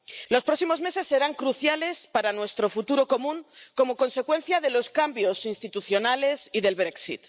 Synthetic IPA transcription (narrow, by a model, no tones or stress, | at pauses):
lo̞spɾo̞ksimo̞zme̞se̞sːe̞ɾaŋkɾuθjale̞spaɾanwe̞st̪ɾo̞fut̪uɾo̞ko̞mũŋko̞mo̞ko̞nse̞kwe̞n̟θjaðe̞lo̞skambjo̞sinst̪it̪uθjo̞nale̞siðe̞lβɾe̞ksḭt̪